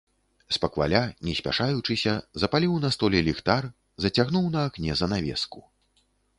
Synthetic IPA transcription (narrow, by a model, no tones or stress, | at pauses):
spɐkva̰lʲanʲɛsʲpʲa̰ʂajut͡ʂɨsʲɐzɐpalʲiwnɐst̪ɔlʲɛlʲixt̪ar | zɐt͡sʲaɣnuwnɐːknʲɛzɐnavʲɛ̰sku